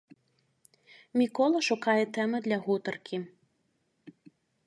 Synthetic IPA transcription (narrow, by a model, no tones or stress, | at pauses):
mʲikɔlˠɐʃʊkɑjɛt̪ɛmɪd̪lʲɐɦut̪ɐrkʲʰi